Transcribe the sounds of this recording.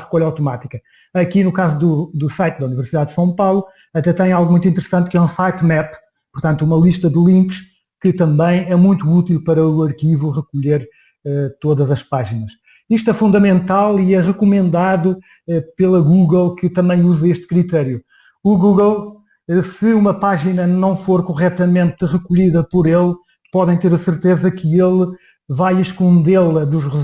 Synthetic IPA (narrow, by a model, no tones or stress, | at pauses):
ʁɨkoʎawt̪umat̪ikɐ | ɐkinukazuðud̪usajt̪̚d̪ɐunivɨɾsiðaðd̪sɐ̃w̃pawlˠu | ɐt̪ɛt̪ɐ̃j̃alˠɣumũj̃t̪wĩnt̪ɨɾɨsɐ̃nt̪kɛũsajt̪mɛp | puɾt̪ɐ̃nt̪uumɐlˠiʃt̪ɐd̪ɨlˠĩŋkʃ | kɨt̪ɐ̃mbɐ̃j̃ɛmũj̃t̪uut̪ilˠpɐɾɐuɐɾkivuʁɨkuʎeɾ | ɛt̪oðɐzɐʃpaʒinɐʃ | iʃt̪ɛfũnd̪ɐmẽnt̪alˠiɛʁɨkumẽnd̪aðu | ɛpelˠɐɣuɣlˠkɨt̪ɐ̃mbɐ̃j̃uzɐeʃt̪kɾit̪ɛɾju | uɣuɣlˠ | ɛsɨumɐpaʒinɐnɐ̃w̃foɾkuʁɛt̪ɐmẽnt̪ʁɨkuʎiðɐpɔɾelˠ | pɔðɐ̃j̃t̪eɾɐsɨɾt̪ezɐkʰɨelˠ | vajiʃkõnd̪elˠɐðuʃʁɨ